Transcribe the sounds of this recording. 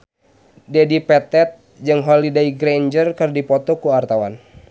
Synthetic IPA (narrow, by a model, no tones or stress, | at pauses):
dɛdipɛt̪ɛt̪̚ | d͡ʒɨŋɦɔlidaiɡɾend͡ʒərkɨrdipɔt̪ɔkuart̪awa̰n